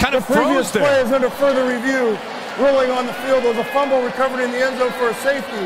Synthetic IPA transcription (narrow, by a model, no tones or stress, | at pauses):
ãɪ̃nðəpʰɹ̥iviɨsʰleɪɨzʌ̃ndɨfɜ˞ðə˞ɹivjʉ | ɹolˠɪ̃ŋə̃nðəfilˠd̪̚əzəfʌ̃mbl̩ˠɹikʰʌvə˞iɨ̃nðiɛ̃nzoʊfə˞ɨseɪfti